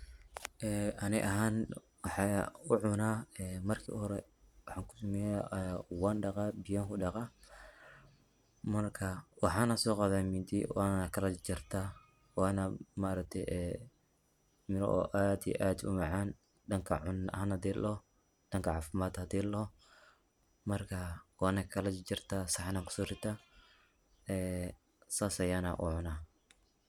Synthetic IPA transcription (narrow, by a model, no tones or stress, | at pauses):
ʔɛːʔɐnɪʔɐɦaːn | wɑħɑʊʕʊnaːɛːmɐrkʰḭːʔʊhɔɾɛ | wɑħɑːŋkʰʊ̥sʊmɛjawɑːnɖɑqɑbɪjaːŋkʰʊɖɑqɑ | mɐrkʰɐwɑħɑːnɐsɔːqɑβaːmɪd̪ḭwaːnkʰɐlɐt͡ʃɪrt̪ʰa | waːnɐmaːɾɐk̚t̪ʰɛjʔɛː | mɪlɔ̰ʔɔ̰ːʔaːd̪ḭʔaːd̪ʊ̰mɑʕɑːn | ɖɐŋkʰɐ̰ʕʊnhɐnhɐd̪ɛːlʔɔ | d̥ɐŋkʰɐʕɑːfɪmaːd̪hɐd̪iːlɔ | mɐrkʰɐwɑːnɐkʰɐlɐt͡ʃɪrt̪ʰaːsɑħnɐkʰʊ̥sɔːɾɪt̪ʰa | ɛː | saːsɐjaːnɐʔʊ̰ʕʊnaː